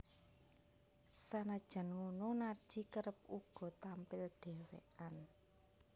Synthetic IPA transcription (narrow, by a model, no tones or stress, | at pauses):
sanad̥ʒ̥a̤nŋununard̥ʒ̥ikəɾəp̚uɡ̥ɔ̤t̪ampɪlɖ̪̥ɛ̤wḛʔan